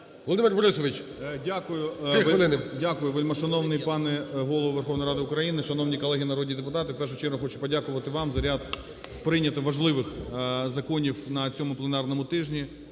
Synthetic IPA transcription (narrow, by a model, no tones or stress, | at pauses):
ʋɔlˠɔd̪ɪmɪrbɔɾɪsɔʋɪt͡ʃʲ | dʲakʊjʊʋɐlɪnɪdʲakʊjʊʋɪlʲmɐʃɐnɔwnɪjpɑnɛɦɔlˠɔʋʊʋerxɔwnɔjɾɑd̪ɪʊkɾɐjinɪʃɐnownʲijkɔlˠɛɦʲinɐɾɔdʲid̪epʊt̪ɑt̪ɪfpɛrʃ̬ʊt͡ʃɛɾɦʊxɔt͡ʃʊ̥pɔdʲakʊʋɐt̪ɪʋɑmzɐɾʲad̪ | pɾɪnʲɐt̪ɪʋɐʒlˠɪʋɪxzɐkɔnʲiwnɐt͡sʲɔmʊplˠenɑrnɔmʊt̪ɪʒnʲi